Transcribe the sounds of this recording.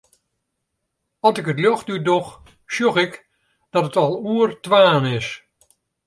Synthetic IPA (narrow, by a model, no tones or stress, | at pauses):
ɔlˠsɪkətljɔxdydɔx | sjoxɪk | d̥ɔtətɔlˠuərtʋaːnɪs